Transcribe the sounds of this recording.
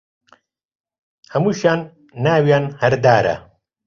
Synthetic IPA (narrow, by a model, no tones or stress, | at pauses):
hɐmuɕaːnː | aːwjaːnhɐɾd̪aːɾɐ̰